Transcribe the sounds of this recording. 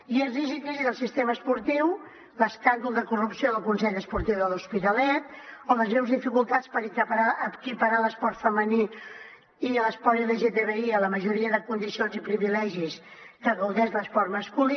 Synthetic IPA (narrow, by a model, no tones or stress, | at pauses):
iərizik̪iziðəlˠsist̪eməspuɾt̪iw | ləskand̪ulˠd̪əkurupsioðəlˠkunsɛʎəspuɾt̪iwðəluspit̪əlɛt̪̚ɔðəznɛwzðifikulˠt̪at͡spəɾikəpəɾaʔəkipəɾaləspɔɾt̪fəməni | iələspɔɾileʒet̪eβeiələməʒuɾiəðəkund̪isionzipɾiβilɛʒis | kəɣəwðɛʃləspɔɾt̪məskuli